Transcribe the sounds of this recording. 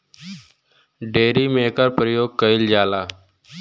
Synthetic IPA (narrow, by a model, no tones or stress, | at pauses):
ɖeːɾiːmeːkəɾpɾəjoːɡ̚kəɪld͡ʒaːlaː